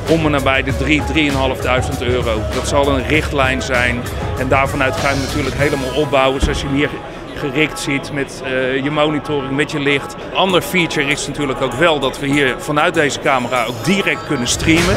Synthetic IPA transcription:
omənaːbɛjdədridriənɦɑlˠəvdœɥzəntøːrowdɑtsɑlˠənrɪχtlɛjnzɛjnɛndaːɹvɑnœɥtχaːjənatyːɹləkɦejləmaːlˠɔpb̚bɑwəsoɑsjənɦiːɹ | χərɪktsitmɛtjəmownitʊːrɪŋmɛtjəlɪχt | ʔɑndəɹfit͡ʃəɹɪsnatyːɹləkowkʋɛlˠdɑtʋəɦiːɹv̥ɑnœɥt̚dejzəkaːməraːowkdirɛk̚t̚kɵnənstrimən

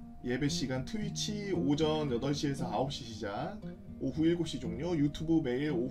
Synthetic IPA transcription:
je̞be̞ɕ͈iɡantʰɯit͡ɕʰiod͡ʑʌnjʌdʌɭɕ͈ʰie̞sʰʌaop̚ɕ͈iɕʰid͡ʑaŋ | oɸuiɭɡoɕ͈id͡ʑoŋɲojutʰubɯme̞iɾo

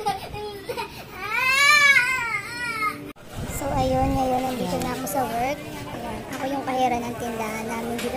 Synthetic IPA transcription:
a | soʔɐjo̞nŋɐjo̞nɐnd̪iːk̪onakosɐwɛɹk̚ɐjonʔɐko̞jʊŋkɐhɛːɾɐnɐŋt̪ɪnd̪aːhɐnːaːmɪnd̪it̪

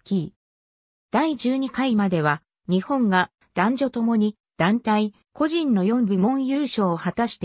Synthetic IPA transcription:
kʲi | d̪̥aid͡ʑɨːɲ̟ikaimad̪e̞βa | ɲ̟ihõ̞ŋɡa | d̪̥ãɲ̟d͡ʑo̞t̪o̞mo̞ɲ̟i | d̪̥ãnt̪ai | ko̞ʑĩnːo̞jõ̞mbɯmõ̞ɰ̃jɯːɕo̞ːhat̪aɕi̥t̪e

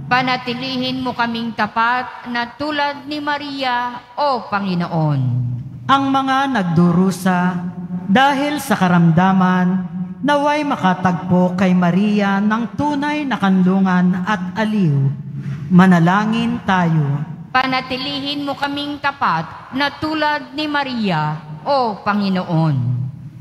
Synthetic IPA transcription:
pɐnɐt̪ɪliːhɪnmokɐmɪŋt̪ɐpat̪̚nɐt̪uːlɐd̪̚nɪmɐɾijaʔopɐŋɪnoʔonʔɐŋmɐŋanɐɡ̚d̪uɾuːsɐ | d̪aːɦɪlsɐkɐɾɐmd̪aːmɐnː | ɐwajmɐkat̪ɐɡ̚po̞kɐjmɐɾiːjanɐŋt̪uːnɐjnɐkɐnluːŋɐnɐt̪̚ɐliw | mɐnɐlaːŋɪnt̪aːjopɐnɐt̪ɪliːɦɪnmokɐmiŋt̪ɐpat̪̚ | nɐt̪uːlɐd̪̚nɪmɐɾijaʔopɐŋɪnoʔon

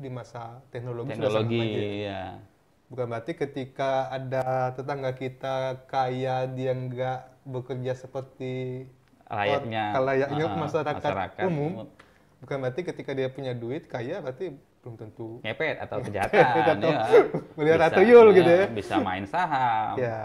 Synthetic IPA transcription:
dimasat̪ɛk̚noloɡiɛsundaloɡija̰ | bukanbat̪ikət̪ikaːdat̪ət̪aŋɡakit̪akajadiaŋɡaʔbəkərd͡ʒasəpərt̪i | ɾa̰jaɲakalajaʔɲamasaɾakaɾa̰kumʊm | bukanbart̪ikət̪ikadiapuɲaduɪt̪̚kajabart̪i | pəumt̪ənt̪ukepɛt̪a̰t̪awkəd͡ʒaaapɛataməliɦat̪at̪əjʊlɡit̪ujabisa̰ma̰ɪnsaɦamja

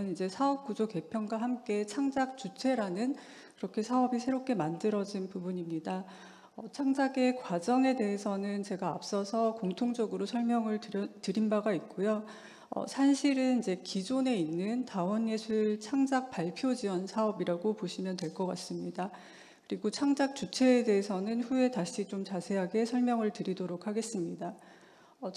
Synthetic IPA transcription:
ɯnid͡ʑe̞sʰaʌp̚k͈ud͡ʑoke̞pʰjʌnɡwaɦamk͈e̞t͡ɕʰaŋd͡ʑak̚t͡ɕ͈ut͡ɕʰe̞ɾanɯn | kɯɾʌkʰe̞sʰaʌbisʰe̞ɾop̚k͈e̞mandɯɾʌd͡ʑinpubuɲimɲida | ʌt͡ɕʰaŋd͡ʑaɡe̞kwad͡ʑʌŋe̞de̞ɦesʰʌnɯnt͡ɕe̞ɡaa̰p̚s͈ʌsʰʌkoŋtʰoŋd͡ʑʌɡɯɾosʰʌɭmjʌŋɯɭtɯɾʌtɯɾinbaɡait̚k͈ojo | ʌ̰sʰanɕʰiɾɯnid͡ʑe̞kid͡ʑone̞inːɯntaʌnjesʰuɭt͡ɕʰaŋd͡ʑak̚paɭpʰjod͡ʑiwʌnsʰaʌbiɾaɡopoɕʰimjʌntwe̞ɭk͈ʌk͈as͈ɯmɲida | kɯɾiɡot͡ɕʰaŋd͡ʑak̚t͡ɕ͈ut͡ɕʰe̞ːde̞ɦesʰʌnɯnɸue̞taɕʰit͡ɕomt͡ɕasʰe̞ɦaɡe̞sʰʌɭmjʌŋɯɭtɯɾidoɾokʰaɡe̞s͈ɯmɲida | ʌ

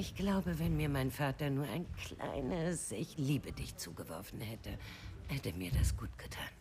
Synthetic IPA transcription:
ʔɪçɡ̥laʊbəvɛnmiːɐmaɪnfaːtɐnuːɐʔa̰ɪnkʰl̥a̰ɪnəsɪçliːbədɪçt͡sṵːɡəvɔɐfn̩hɛtə | hɛtəmiːɐdasɡ̥uːtɡ̥ətʰaːn

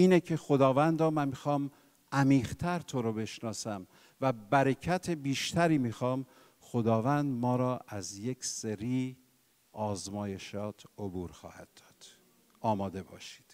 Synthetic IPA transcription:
iːnecʰe̞xod̪ɒːvænd̪ɾɒːmænmixɒːm | æmiːʁt̪ʰæɾt̪ʰoɾobe̞ʃnɒːsæm | væbæɾecʰæt̪ʰebiːʃt̪ʰæɾiːmixɒːm | xod̪ɒːvænd̪mɒːɾɒːʔæzje̞kseɾiː | ʔɒːzmɒːje̞ʃɒːt̪ʰobuːɾxɒ̰ːhæ̰d̪̥̚ːɒ̥ːd̪̥ | ʔɒːmɒːd̪e̞bɒ̰ːʃi̥ːd̪̥

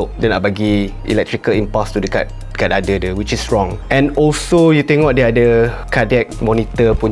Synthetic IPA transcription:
oʔdɛnaʔ̚baɡi | ḭlɛk̚tɹikəlĩmpɔstudəka̰t | kat̚adədəwit͡ʃisɹɔ̃ŋɛ̃nɔlsojut̪ẽŋɔt̚dɛadəkadɛk̚mɔnit̪əpu

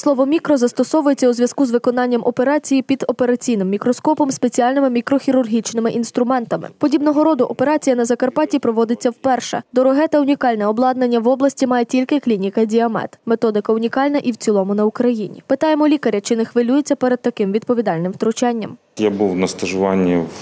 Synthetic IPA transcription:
slˠɔʋɔmʲikɾɔzɐst̪ɔsɔʋʊjet͡sʲːɐuzʋʲjɐz̥kuzʋɪkɔnɑnʲːɐmʔɔpe̞ɾɑt͡sʲijipʲid̪ɔpe̞ɾɐt͡sʲijnɪmːʲikɾɔskɔpɔmspe̞t͡sʲiɑlʲnɪmɪmʲikɾɔxʲiɾʊrɦʲit͡ʃnɪmɪʔinst̪ɾʊmɛnt̪ɐmɪ̰pɔdʲibnɔɦɔɾɔd̪ʊʔɔpe̞ɾɑt͡sʲijɐnɐzɐkɐrpɑtʲipɾɔʋɔd̪ɪt͡sʲːɐwpɛrʃɛ̰d̪ɔɾɔɦɛt̪ɐʊnʲikɑlʲnɛɔblˠɑd̪nɐnʲːɐʋɔblˠɐsʲtʲimɑjetʲilʲkɪklʲinʲikɐdʲiɐmɛ̰t̪met̪ɔd̪ɪkɐʊnʲikɑlʲnɐʔiwt͡sʲilˠɔmʊnɐukɾɐjinʲḭpɪt̪ɑjemɔlʲikɐɾʲɐt͡ʃɪnɪxʋɪlʲujet͡sʲːɐpɛɾɛd̪̚t̪ɐkɪmʋʲid̪̚pɔʋʲid̪ɑlʲnɪmt̪ɾʊt͡ʃɛnʲːɐ̰m | jabuwnɐst̪ɐʒʊʋɑnʲːiw

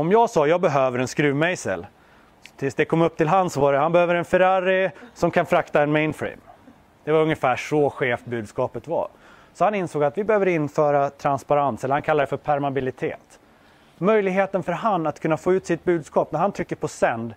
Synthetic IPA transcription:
ɔmjɑːɡsɑːjɑːɡ̚bɛɦøːvəɾɛnskɾʉ̟ːvmɛjsə̰l | t̪ʰɪlsd̪ɛkʰɔmːɵp̚ːt̪ʰɪlɦansɔvaɾɛhanbɛhøːvəɾɛnfɛɾaɾɪsɔmkʰanfɾakt̪aɛnmɛɪnfɾḭːm | d̪̥ɛvaɾɵŋːjəfæːʂɔɧeːfbʉ̟ːd̪skɑːpət̪va̰ | sɔhanɪnsoːɡat̪vɪbɛhøːvəɾɪnːfœːɾat̪ʰɾanspaɾansɛlːəhankʰalːaɾɛfœɾpʰæɾmabɪlɪt̪ʰḛːt̪ | mœjlɪɡɦeːt̪ənfœɾɦanːat̪kʰɵnːafoːʉːt̪sɪt̪̚bʉ̟ːd̪skɑːpnæɾhant̪ʰʏkːəɾpʰɔsɛnd̪

